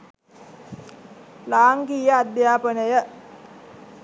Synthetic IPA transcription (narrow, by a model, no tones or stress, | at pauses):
laːŋɡiːjəad̪jaːpənəjə